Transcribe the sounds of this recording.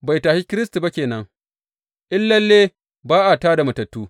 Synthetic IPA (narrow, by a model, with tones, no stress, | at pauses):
ba˨jtaː˨ʃi˦kʲɪ˦ɾɪ˦stu˨ba˦kʲeː˨nɐ˦ŋ | ʔɪ˦lːɐ˦lːeː˦ | baː˦ʔa˨taː˦da˨mɐ˨tɐ˨tːuː˦